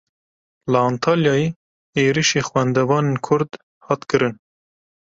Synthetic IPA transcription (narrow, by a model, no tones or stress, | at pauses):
ləɑːnt̪ʰɑːljɑːjeː | eːɾiʃeːxwænd̪ɛvɑːneːnkʰʊɾd̪ | hɑːt̪kɨɾɨn